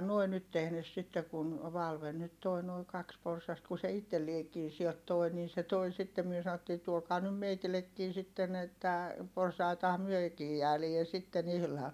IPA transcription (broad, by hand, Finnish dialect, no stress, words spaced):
nuoi nyt tehnes sitːe kun ʋɑlʋen nyt toi noi kɑks porsɑst ku se itːeliekiː siɛlt toˑi niː se toi sitːem myø sɑotːiː tuokɑː nym meitilekːiː sitːen etːæ porsɑitɑhɑm myøkiː jæːlie sitːen ihlɑːn